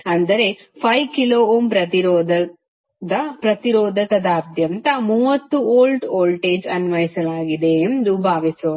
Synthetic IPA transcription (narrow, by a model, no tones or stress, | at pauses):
ɐnd̪ɐɾe̞ | pʰɐjkiloːoːmpɾɐt̪iɾɔːd̪ɐ | d̪ɐpɾɐt̪iɾoːd̪ʱɐkɐd̪ɐːɾd̪ʱjɐnt̪ɐmuːʋɐt̪ːuoːlʈoːlʈeːd͡ʒɐnʋɐjisɐlaːɡid̪eːnd̪ubʱaːʋisoː